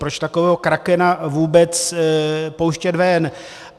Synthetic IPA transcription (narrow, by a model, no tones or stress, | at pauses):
pɾot͡ʃt̪akovɛːɦokɾakɛnavuːbɛt͡s | powʃcɛd̪vɛn